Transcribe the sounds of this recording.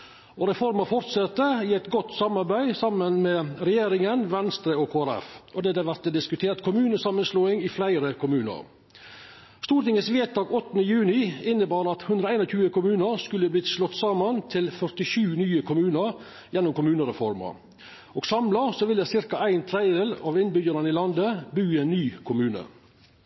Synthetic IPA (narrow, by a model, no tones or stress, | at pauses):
ɔɾɛfɔɾmɑfɔɾt̪sɑt̪ːəɪæɪt̪ɡɔt̪ːsɑmɑɾbæɪsɑmənmɛɾɛjeːɾɪŋənʋɛnst̪ɾəɔkʰoːæɾɛ̰fʔɔd̪ɛd̪ɛʋæɾt̪əd̪ɪskʉt̪ʰeːɾt̪kʰʊmʉːnəsɑmənsloːɪŋɪflæɪɾəkʰʊmʉːnə̰ɾ | st̪uːɾʈ̪ɪŋəsʋeːt̪̚d̪ɑːɡɔt̪ːənəjʉːnɪɪnːəbɑːɾɑt̪hʉnd̪ɾəæɪnɔçʰʉːəkʊmʉːnəɾskʉlːəbliːt̪slɔt̪ːsɑːmənt̪ʰɪlfœɾtɪʃʉːnyːəkʰʊmʉːnəɾ | jɛnːʊmkʊmʉːnəɾɛfɔɾmə̰ɾ | oːɡsɑmlɑsɔʋɪld̪ɛsɪɾkɑæɪnt̪ʰɾɛd̪eːlɑːʋɪnbʏɡəɾənɪlɑnd̪əbʉːæɪnːyːkʰʊmʉːnə̰